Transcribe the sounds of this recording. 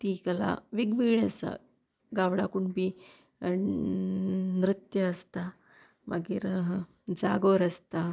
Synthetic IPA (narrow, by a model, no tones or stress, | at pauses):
t̪ikəla̰ʋiɡʋiɭasa̰ | ɡaʋɽakuɳbi | nɾɨt̪jəːst̪a | ma̰ɡiːɾ | d͡zaɡoɾəst̪a